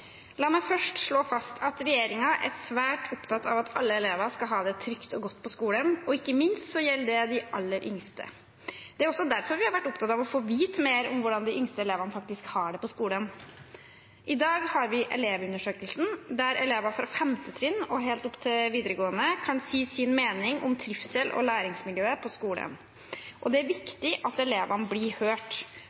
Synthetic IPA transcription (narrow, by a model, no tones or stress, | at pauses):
lɑːmæɪfœʂʈʂɭoːfɑst̪ʰɑt̪ɾɛjeːɾɪŋɑʔæɾsʋæːʈʰʊpt̪ʰɑt̪ːʰɑ̰ʋɑt̪ʰɑ̰lːəɛleːʋɑskɑlɦɑːd̪ɛt̪ʰɾʏkt̪ɔɡɔt̪ːpʰɔskuːlənɔɪkːəmɪnst̪sɔjɛlːəd̪ɛd̪ɪʔɑlːəɾʔʏ̰ŋst̪ə̰ | d̪ɛæɾɔsːɔd̪æɾfɔɾʋɪhɑɾʋæʈːʊpt̪ʰɑt̪ɑʋɔfoːʋiːt̪meːɾɔmʋʊɖɑnd̪ɪʔʏŋst̪əɛleːʋɑnəfɑk̚t̪ɪskhɑɖɛpɔskuːlən | ʔɪd̪ɑːɡhɑɾʋɪʔɛ̰leːʋʉnːəʂøːkəlsn̩d̪æɾɛleːʋɑfɾɑfɛmt̪ət̪ʰɾɪnːɔɦeːlt̪ʊpːt̪ʰɪlʋiːd̪əɾəɡoːənəkʰɑnsiːsɪnmeːnɪŋʔɔ̰mt̪ʰɾɪfsɛlʔɔ̰læːɾɪŋsmɪljøːəpʰɔskuːlə̰n | ʔɔd̪ɛæɾʋɪkt̪ɪʔɑt̪ɛleːʋɑnəblɪhøːʈ